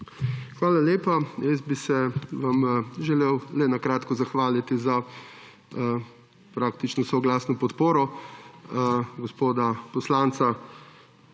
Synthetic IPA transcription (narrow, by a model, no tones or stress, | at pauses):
xʋaːlaleːpajɛzbisɛʋamʒɛleːwlɛnakɾaːt̪kɔzaxʋaːlit̪iza | pɾaːkt̪it͡ʃnɔsɔɡlaːsnɔpɔt̪poːɾɔ | ɡɔspoːd̪apɔslant̪sa